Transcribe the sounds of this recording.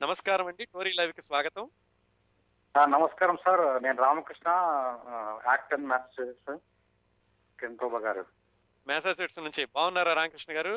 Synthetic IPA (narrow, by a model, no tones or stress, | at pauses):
nɐmɐskaːɾɐmɐɳɖiʈoːɾiːlɐjʋkisʋaːɡɐt̪ɐm | nɐmɐskaːɾɐmsaːɾneːnɾaːmɐkɾiʂɳɐ | aːk̚ʈɐnmɛːsɐsd͡ʒeʈs | kinʈ̪ɔːbʱɐɡaːɾu | mɛːsaːseʈsnuɲt͡ʃibʱaːʋunːaːɾaːɾaːmɐkɾiʂɳɐɡaːɾu